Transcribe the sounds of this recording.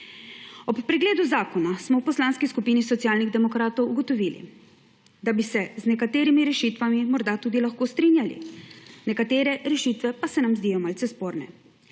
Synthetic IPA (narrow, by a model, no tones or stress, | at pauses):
ɔpːɾɛɡleːd̪uzaːkɔnasmɔwpɔslaːnskiskupiːnisɔt̪sjaːlniɣd̪ɛmɔkɾaːt̪ɔwuɡɔt̪ɔʋilḭ | d̪abisɛznɛkat̪eːɾimiɾɛʃit̪ʋamimɔɾd̪at̪uːd̪ilaxkoːst̪ɾiːnjalḭnɛkat̪eːɾɛɾɛʃiːt̪ʋɛpasɛnamzd̪ijɔmalsɛspoːɾnɛ